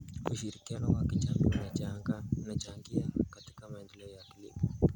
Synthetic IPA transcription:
uʃiɾikianɔwakit͡ʃaŋɡɔunat͡ʃaŋɡaunat͡ʃaŋɡiakati̥kamaɛndɛlɛɔjakilḭpɔ

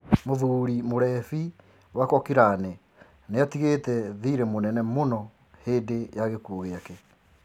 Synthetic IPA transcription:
moðuɾimoɾɛfi | wakɔkiɾane | neatiɣetɛðiːɾemonɛnɛmonɔ | heːdejaɣekuoɣeakɛ

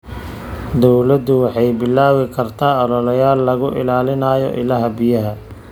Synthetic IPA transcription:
d̪ɔwlɐd̪ʊwɑħɑjbɪlːaːwɪkʰɐrt̪ʰaːɔlɔlɐjaːlːɐɣʊʔɪ̰laːlɪnaːjɔ̰ʔɪ̰laːɦɐbɪjɐɦɐ

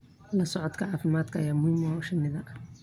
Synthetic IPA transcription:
lɐsɔʕɔd̪kʰɐʕɑːfɪmaːd̪kʰɐɐjaːmʊhiːmɔʃɐnɪðɐ

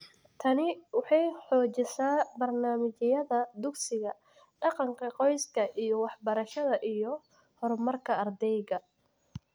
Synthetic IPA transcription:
t̪ʰɐnɪwɑħɑjħɔːt͡ʃɪsaːbɐrnaːmɪt͡ʃɪjɐðɐd̪ʊɡsɪɣɐ | ɖɑqɑŋkʰɐqɔjskʰɐʔijɔwɑħbɐɾɐʃɐðɐʔijɞ | hɔrmɐrkʰɐɐrd̪ɛjɣɐ

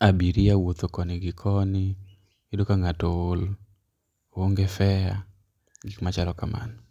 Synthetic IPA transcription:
abiɾiawot̪okɔnɪɡɪkʰɔnɪ | ɪdokaŋatool | oŋɡefɛa | ɡikmat͡ʃalɔkama̰n

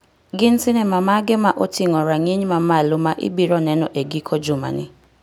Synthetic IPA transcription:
ɡɪnsɪnɛmamaɡɛmaʔotiŋɔɾaŋiɲmamalomaʔɪ̰biɾɔnɛnɔʔeɡikʰɔd͡ʒʊma̰nɪ̰

